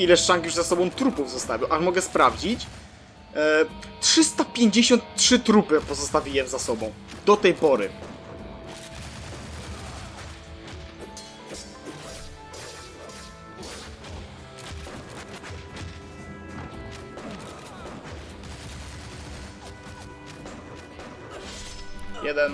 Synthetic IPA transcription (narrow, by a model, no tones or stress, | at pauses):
ilɛʂʂaŋkjuʐzasɔbɔ̃w̃t̪ɾupuvzɔst̪avʲiwʔaʂmɔɡɛspɾavd͡ʑit͡ɕ | tʂɘst̪apʲjeɲd͡ʑeɕɔnt̪tʂɘt̪ɾupɘpɔzɔst̪avʲijɛzasɔbɔ̃w̃d̪ɔt̪ɛjpɔɾɘ̰ | jɛd̪ɛn